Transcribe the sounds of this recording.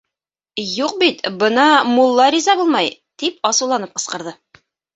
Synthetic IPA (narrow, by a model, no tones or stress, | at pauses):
juqbit̪bɤ̆nɑmulˠːɑɾizɑbulˠmɑj | t̪ip̚ɒsɤ̆wlˠɑnɤp̚qɤ̆sqɤ̆ɾðɤ